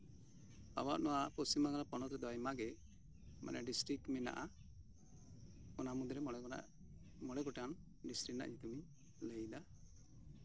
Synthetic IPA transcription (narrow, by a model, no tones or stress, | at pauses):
a̰waʔnɔwapɔsimaɡalapɔnɔt̪ɾɛd̪ɔjmaɡɛ | ma̰nɛɖisʈɾik̚ʈmina̰ʔa | ɔnamud̪ɔɾɛ̰ | mɔɽɛɡɔʈan | ɖisʈɾik̚na̰ʔɲit̪umi | ləjd̪a